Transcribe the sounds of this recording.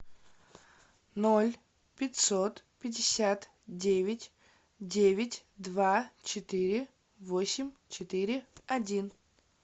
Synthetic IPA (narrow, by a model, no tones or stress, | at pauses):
nolʲ | pʲɪtʲsot̪pʲɪdʲɪsʲat̪ | dʲevʲɪtʲ | dʲevʲɪtʲd̪vat͡ɕɪt̪ɨɾʲɪ | vosʲɪmʲt͡ɕɪt̪ɨɾʲɪɐdʲin